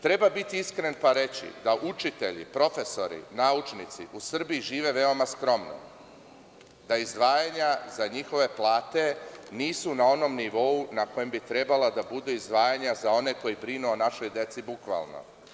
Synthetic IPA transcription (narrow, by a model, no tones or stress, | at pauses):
t̪ɾe̞babit̪iiskɾenpaɾe̞t͡ɕḭd̪aʔut͡ʃit̪e̞ʎḭpɾo̞fe̞so̞ɾḭnaut͡ʃnit̪sḭʔusr̩biiʒiːʋe̞ʋe̞o̞maskɾo̞mno̰ | d̪aizd̪ʋaːjaɲazaɲixo̞ʋe̞plˠaːt̪e̞niːsunao̞no̞mniʋo̞unako̞jembit̪ɾe̞balad̪abud̪uizd̪ʋaːjaɲazao̞ne̞ko̞jibɾinuonaʃo̞jd̪e̞t̪sibukʋa̰lˠno̞̰